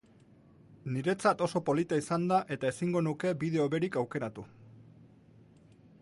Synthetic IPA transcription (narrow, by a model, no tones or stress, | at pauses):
niɾe̞t͡sat̪o̞so̞po̞lit̪aisand̪aʔe̞t̪ae̞siŋɡo̞nuke̞biðe̞o̞βe̞ɾikawke̞ɾat̪u